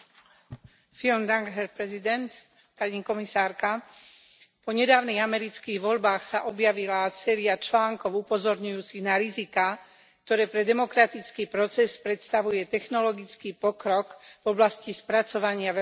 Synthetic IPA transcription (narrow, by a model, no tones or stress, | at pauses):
filmd̪aŋɡɦɛɾpɾɛzid̪ɛnt̪ | paɲikɔmisaːɾka | pɔɲɛd̪aːʊniɣamɛɾit͡skiːɣʋɔʎbaːxsaʔɔbjaʋilasɛːɾiat͡ʃlaːŋkɔʊupɔzɔɾɲujuːt͡siɣnaɾizika | k̚t̪ɔɾɛːpɾɛd̪ɛmɔkɾat̪it͡skiːpɾɔt͡sɛspɾɛt̪st̪aʋujɛt̪ɛxnɔlɔɡit͡skiːpɔkɾɔkvɔblascispɾat͡sɔʋaɲɪaɛ